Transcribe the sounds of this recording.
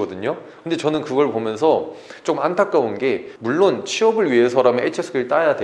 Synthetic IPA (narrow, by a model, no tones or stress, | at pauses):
ʌdɯɲokɯndet͡ɕʌnɯnkɯɡʌɭpomjʌns̬ʰʌt͡ɕokmantʰak͈aunɡe̞muɭːont͡ɕʰiʌbɯɭɥiɦe̞sʰʌɾameet͡ɕʰes͈ʰɯɡɭt͈ajadwe